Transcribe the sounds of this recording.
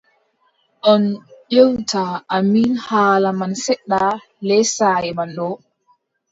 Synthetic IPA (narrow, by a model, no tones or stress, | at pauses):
ɗɔnʄewtʰaʔːmiːnhaːlamansɛɗːa | lɛjsaːjɛmanɗɔ